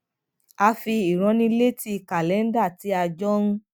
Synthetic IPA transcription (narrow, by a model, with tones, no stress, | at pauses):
a˧fi˧i˨ɾ̃ɔ̃˧˦nĩ˦le˦ti˦˧ka˨lɛ˨˦n̩˦da˦˨ti˨˦a˧d͡ʒɔ˦ɾũ˦